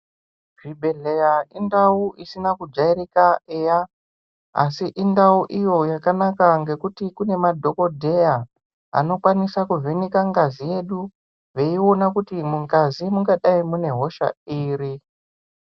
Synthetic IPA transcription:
ʐ̥ibʱe̞ɮe̞jaindauʔisinakud͡ʒaiɾikaeja | a̰siʔindauʔijo̞jakanakaŋɡe̞kutikune̞madʱo̞ko̞dʱe̞ja | a̰no̞kwanisakuvʱenikaŋɡazije̞ɗu | ve̞io̞nakutimuŋɡazimuŋɡaɗaimune̞ɦo̞ʃa̰iːri

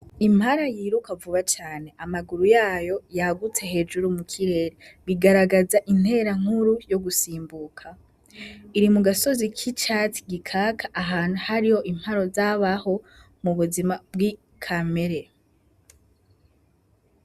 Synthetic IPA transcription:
im̥haɾajiːɾukavuβat͡ʃaːne̞ʔamaɡuɾujaːjo̞jaɡut͡se̞he̞ːd͡ʒuɾumukʰiɾe̞ɾeβiɡaɾaɡazaʔin̥he̞ɾaŋ̥huɾujo̞ɡusiːmbukʰa | iɾimuɡaso̞zikʰit͡ʃati̥ɡikʰakʰaʔaɦaːn̥uhaɾiho̞ʔim̥haɾo̞zaβaho̞ | muβuzimab̚ɡi | kʰame̞ɾe

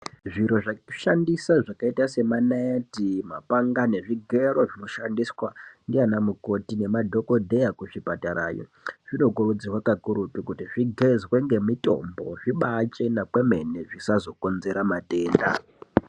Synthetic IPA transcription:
ʐiɾo̞ʐaʃandisaʐakaitase̞manaeatimapaŋɡane̞ʐiɡʱe̞roʐino̞ʃandiswandianamuko̞tine̞madʱo̞ko̞dʱe̞jakuʐipataɾa̰ːjo̰ | ʐ̥ino̞kurud͡zirwakakuɾutikutiʐiɡʱe̞zweŋɡe̞mito̞̰mbo̞̰ʐ̥iɓat͡ʃe̞napweme̞neʐisazo̞ko̞nze̞ɾamate̞ːnda̰

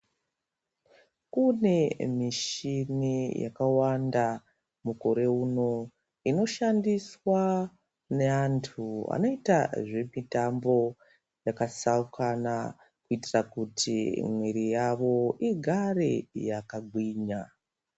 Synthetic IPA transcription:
kune̞miʃinija̰kawanda | muko̞ɾe̞uno̞ | ino̞ʃandiswa | ne̞antʰua̰no̞ita̰ʐe̞mitambo̞ | jakasaukʰana | kuitirakutʰimweɾijaʋo̞iɡʱarejakaɡʱwiːɲa

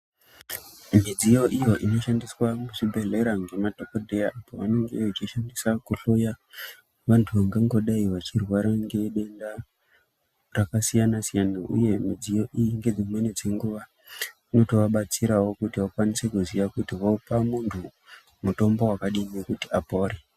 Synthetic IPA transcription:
mid͡zijo̞ʔijo̞ʔino̞ʃandiswamuʐibʱe̞ɮe̞ɾaŋɡe̞madʱokodʱe̞jaʔapoʋane̞ŋɡeat͡ʃiʃandisakuɬo̞ja | ʋantʰuʋaŋɡeŋɡo̞ɗaiʋat͡ʃirwaɾaŋɡe̞ɗe̞nda | rakasijanasijanaṵje̞mid͡zijo̞ʔijiŋɡe̞d͡zimwened͡ze̞ŋɡuʋa | ino̞to̞ʋaɓat͡siɾawo̞kutiwakwanise̞kuzijakutiɦo̞pamuntʰu | muto̞mbo̞wakaɗimiekutiapo̞ːɾe

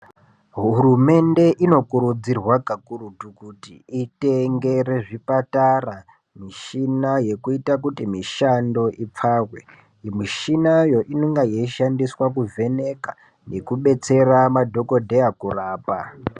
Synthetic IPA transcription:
ɦurume̞nde̞ʔino̞kuɾud͡zirwaɡʱakurutukutiiteŋɡe̞re̞ʐipatara | miʃinaje̞kuitak̬utimiʃando̞ʔip͡fawe | miʃinajo̞ʔinoŋɡajeiʃandiswak̬uvʱe̞ne̞ka | ne̞kuɓe̞t͡se̞ramadʱo̞ko̞dʱe̞jakuraːpa

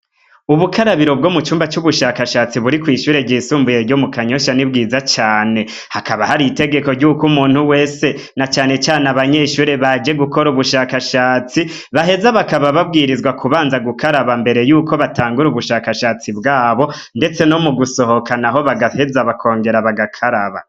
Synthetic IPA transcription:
uβukʰaɾaβiɾo̞b̚ɡomut͡ʃuːmbat͡ʃuβuʃakaʃaːt͡siβuɾikwiːʃuːɾe̞ɟiːsuːmbuje̞ɾɟomukaɲo̞ʃanibɡiːzat͡ʃaːne̞ | hakaβahaɾite̞ɡe̞ko̞ɾɟukumuːn̥huwe̞se̞ | nat͡ʃaːne̞t͡ʃaːnaβaɲeʃuːɾe̞βad͡ʒe̞ɡuko̞ɾuβuʃakaʃaːt͡si | βaɦe̞zaβakaβaβab̚ɡiːɾizɡwakʰuβaːnzaɡukʰaɾaβambe̞ɾe̞juːkʰo̞βataːŋɡuɾuβuʃakaʃaːt͡sibɡaːβo̞ | nde̞t͡seno̞muɡuso̞ho̞kanaɦo̞βaɡahe̞zaβakʰo̞ːŋɡe̞ɾaβaɡakʰaɾaβa̰

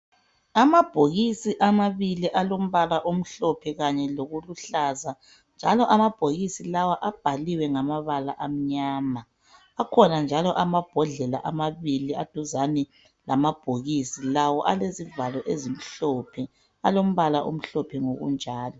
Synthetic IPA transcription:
amab̥ʱoɣisiʔamaβiliʔalom̩βalaʔom̩ɬɔpʰɛɣaɲɛloɣuluɬaːza | nd͡ʒʱalɔʔamab̥ʱoɣisilawaʔab̥ʱaliwɛŋamaβalaʔam̩ɲaːmaː | kʰɔnand͡ʒʱalɔʔamab̥ʱɔɮɛlaʔamaβiliad̥ʱuzani | lamab̥ʱoɣisilawɔʔalezivalɔʔezim̩ɬɔpʰɛ | alom̩βalaʔo̰m̩ɬɔpʰɛŋoɣṵnd͡ʒʱaːlɔ

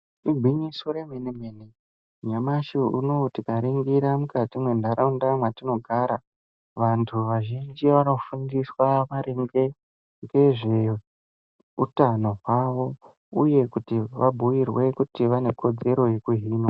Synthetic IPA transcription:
iɡʱwiɲiso̞ɾeminimeni | ɲamaʃiunotikaɾiŋɡiɾamukatimwendaɾaundamwatino̞ɡʱaːɾa | ʋantʰuʋaʒind͡ʒiʋano̞fundiswaʋaɾiŋɡe | ŋɡe̞ʐe | utano̞ɦwaʋo̞ | uje̞kutiʋabʱujirwe̞kutiʋane̞kʰo̞d͡ze̞ɾo̞je̞kuɦiːno

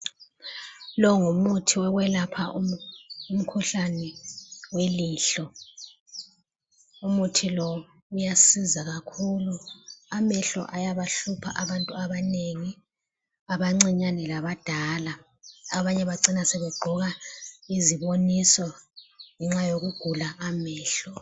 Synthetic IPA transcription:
lɔŋumutʰiwɛɣwɛlapʰaʔuum̩kʰuɬanɛweliːɬɔ | umutʰilɔ | ujasizaɣakʰuːluamɛɬɔ̰ʔajaβaɬupʰa̰ʔaβantʼuaβaneŋi | aβaŋ͡ǀiɲanɛlaβad̥ʱaːla | aβaɲɛβaǀinasɛβɛɡ͡ǃʱɔɣaiziβonisɔŋɛŋ͡ǁajoɣuɡ̥ʱulaʔːmɛːɬɔ

